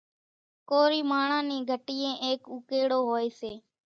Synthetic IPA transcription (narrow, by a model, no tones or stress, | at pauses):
koːɾiːmaːɳãːnĩːɡʱəʈiːẽːʔeːkʊkeːɽoːɦoːeːseː